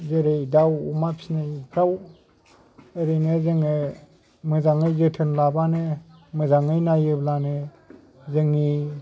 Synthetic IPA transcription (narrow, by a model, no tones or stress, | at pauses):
zeɾejdawumapʰi̥snɯjpʰɾaw | ɯɾɯnezɯŋɯ | mɯzaŋɯjzɯtʰɯnlabanɯmɯzaŋɯjnajɯblanɯ | zɯŋi